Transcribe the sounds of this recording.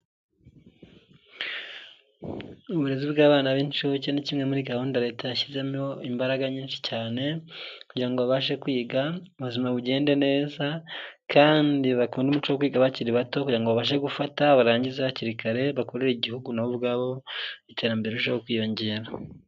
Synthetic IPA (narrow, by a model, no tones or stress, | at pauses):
uβuɾe̞zibɡaːβaːnaβiːnt͡ʃucenicimŋe̞muɾiɡahuːndaɾe̞ːtajaçize̞moimbaɾaɡaɲiːnʃi̥caːne̞kuɟiɾaŋɡoβaβaʃe̞kwiːɡauβuzimaβuɟe̞ːnde̞ne̞ːzakʰaːndiβakuːndumut͡ʃowokwiːɡaβaciɾiβatokuɟiɾaŋɡoβaβaːʃ̬eɡufataβaɾaːɲɟizaβaciɾikaɾe̞βako̞ɾeɾeiɟihuɡunaβuβɡaːβo̞itʰe̞ɾambe̞ɾeɾuʃ̬aokwiːjo̞ɲɟe̞ːɾa